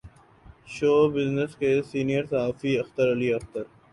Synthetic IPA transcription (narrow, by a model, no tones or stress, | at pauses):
ʃoːbɪznəskesiːnijəɾsɐɦaːfiɐxt̪əɾɐliɐxt̪əɾ